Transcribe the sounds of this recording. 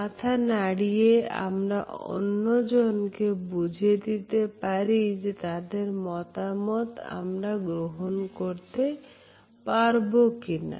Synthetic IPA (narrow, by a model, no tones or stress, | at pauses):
mat̪ʰanaɽijea̰mɾaʔo̰nːod͡ʑonkebud͡ʑʱed̪it̪epaɾid͡ʑet̪ad̪eɾmɔt̪amɔt̪a̰mɾaɡɾoɦonkoɾt̪e | paɾbokina̰